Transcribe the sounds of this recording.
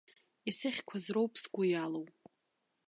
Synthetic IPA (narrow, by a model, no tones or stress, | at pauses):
isɨχʲkʷʰazrowpʼsɡʷʊjalowʼ